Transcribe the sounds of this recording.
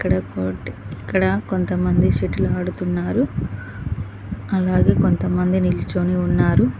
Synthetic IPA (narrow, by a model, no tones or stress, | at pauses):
ikːɐɽɐkoʈikːɐɽɐko̞nt̪ɐmɐnd̪iʃiʈːuluaːɽut̪unːaːɾu | ɐlaːɡe̞ːko̞nt̪ɐmɐnd̪inilit͡ʃoːniunːaːɾu